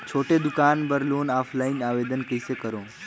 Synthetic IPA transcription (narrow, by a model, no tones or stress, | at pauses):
t͡ʃʰoːʈed̪ukaːnbəɾloːnaːpʰlainaʋed̪ənkəjsekəɾõː